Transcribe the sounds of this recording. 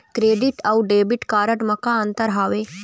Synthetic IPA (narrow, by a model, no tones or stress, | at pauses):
kɾeːɖiʈɐwɖeːbiʈkaːɾəʈmɐkãɐ̃nt̪əɾɦaːʋeː